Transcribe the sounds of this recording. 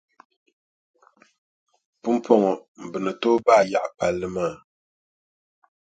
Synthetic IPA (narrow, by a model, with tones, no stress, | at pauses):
pu˦m̩˦pʰɔ˨ŋɔ˨m̩˨bɨ˨nə˨toː˦ba˦˨ja˨ʔpa˨lːɨ˦ma˦˨